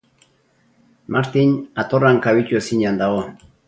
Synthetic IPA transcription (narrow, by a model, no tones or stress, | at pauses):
maɾt̪iɲat̪oraŋkaβicuesiɲand̪aɣo